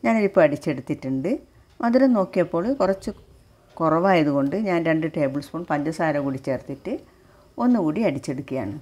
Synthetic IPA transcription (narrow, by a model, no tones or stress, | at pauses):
ɲaːnolipːoɭɐɽit͡ɕːe̞ɽut̪ːitːuɳɖɨ | mʔɐðiɾɐno̞ːkːijɐpːo̞ːɭkurɐt͡ɕːɨ | kurɐʋaːjɐðuɣo̞ɳɖɨɲaːnɾe̞ɳɖɨʈe̞ːbɨɭsfoɳpɐɲd͡ʑɐsaːɾɐmkuːɽit͡ɕːeːrt̪ːiʈːɨ | o̞nːɨkuːɽiɐɽit͡ɕːe̞ɽukːija̰ːɳɨ